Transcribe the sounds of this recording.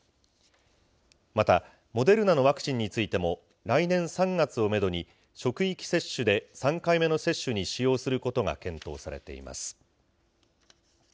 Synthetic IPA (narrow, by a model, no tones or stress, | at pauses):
mat̪a | mo̞d̪e̞ɾɯ̟nano̞βakt͡ɕĩɲ̟ːit͡sɨit̪e̞mo̞ | ɾainẽ̞ɰ̃sãŋɡat͡sɨo̞me̞d̪o̞ɲ̟i | ɕo̞kɯ̟ikʲi̥se̞ɕːɨd̪e̞sãŋkaime̞no̞se̞ɕːɨɲ̟iɕijo̞ːsɨɾɯ̟ko̞t̪o̞ɡa̰kẽ̞nt̪o̞̰ːsaɾe̞̰t̪e̞̰ḭma̰sɨ̥